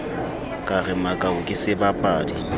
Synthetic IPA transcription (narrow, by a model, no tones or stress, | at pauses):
kʼarɪmakʼaʊkʼɪsɪbapʼaːdi